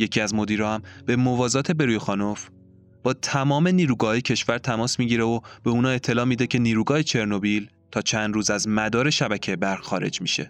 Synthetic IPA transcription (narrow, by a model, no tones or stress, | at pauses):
je̞cʰiæzmo̞d̪iːɾɒːhæmb̥e̞movɒːzɒːt̪ʰe̞be̞ɾuːjexɒːnof | b̥ɒːt̪ʰæmɒːme̞niːɾuːɡɒːhːjecʰe̞ʃvæɾt̪ʰæmɒːsmiːɟiːɾeob̥e̞uːnɒːe̞t̪ʰːe̞lɒːmiːd̪e̞cʰe̞niːɾuːɡɒːhe̞t͡ʃʰe̞ɾno̞bil | t̪ʰɒːt͡ʃʰænd̪ɾuːzæzmæd̪ɒːɾe̞ʃæbæcʰejebæɾʁxɒːɾe̞̰d͡ʒmiːʃe̞̰